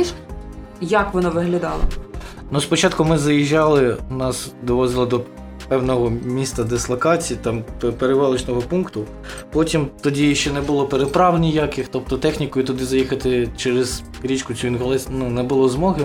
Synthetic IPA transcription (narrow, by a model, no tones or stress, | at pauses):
jɐkʋɔnɔʋɪɦlʲɐd̪ɑlˠɐ̰ | nuspɔt͡ʃɑt̪kʊmɪzɐjiʒːɑlˠɪnɑsd̪ɔʋɔzɪlˠɔd̪ɔ | pɛwnɔɦɔmʲist̪ɐd̪eslˠɐkɑt͡sʲijit̪ɑmppeɾeʋɑlˠɪt͡ʃnɔɦɔpunkt̪ʊ | pɔtʲimt̪ɔdʲiʃt͡ʃɛnɛbʊlˠɔpeɾepɾɑʋlnʲijakɪxt̪ɔp̚t̪ɔt̪ɛxnʲikɔjʊt̪ʊd̪ɪzɐjixɐt̪ɪt͡ʃɛɾɛz̥ | ɾʲit͡ʃkʊt͡sʲuinɦɔlˠɪsnunɛbʊlˠɔzmɔɦɪ